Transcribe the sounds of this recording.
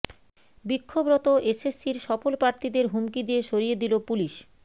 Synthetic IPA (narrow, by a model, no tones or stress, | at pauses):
bikʰːobɾɔt̪oesesːiɾʃɔfolpɾaɾt̪ʰid̪eɾɦumkid̪ieʃoɾijed̪ilopuliʃ